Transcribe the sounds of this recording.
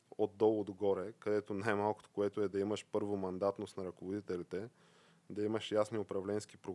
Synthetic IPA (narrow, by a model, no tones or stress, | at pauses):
od̪̚dːɔlˠod̪oɡɔɾɛkɐd̪ɛt̪onajmalˠko̥t̪o̥koɛt̪oɛd̪ɐiməʃpɤɾvomɐnd̪at̪nosnɐɾɐkovod̪it̪ɛlit̪ɛ | d̪ɐiməʃjasniʊpɾɐvlɛnski̥pɾo